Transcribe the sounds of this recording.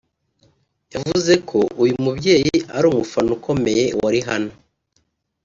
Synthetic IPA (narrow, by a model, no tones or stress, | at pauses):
javuze̞kʰo̞ujumubɟe̞ːjiaɾuːmufanuko̞me̞je̞waɾiɦano